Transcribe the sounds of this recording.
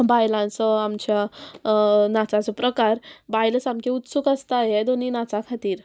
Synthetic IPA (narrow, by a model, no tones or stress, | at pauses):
bajlãnt͡səamt͡ɕja | nat͡sat͡səpɾəkaɾbajləsamkeut̪sukəst̪ajed̪on̤iːnat͡sakʰat̪iːɾ